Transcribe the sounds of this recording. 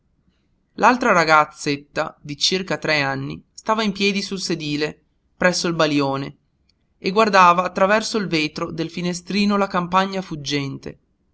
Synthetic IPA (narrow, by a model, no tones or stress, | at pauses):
lalt̪ɾaɾaɡat̪sːet̪ːad̪it͡ʃirkat̪ɾɛanːḭst̪aːvaimpjɛːd̪isulsed̪iːle | pɾɛsːoilbaljoːne | eɡward̪aːvaːt̪ːɾavɛrsoilveːt̪ɾod̪elfinest̪ɾiːnolakampaɲːafud͡ʒːɛnt̪ḛ